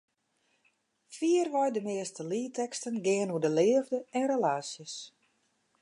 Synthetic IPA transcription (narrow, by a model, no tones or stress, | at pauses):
fiərʋɔjdəmɪəstəliːtɛkstənɡɪənuədəlɪəvdəɛnrelaːsjəs